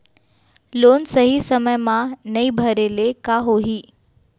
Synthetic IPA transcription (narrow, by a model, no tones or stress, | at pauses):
lonsəɦisəməjmãnəibʱəɾelekaɦoɦiː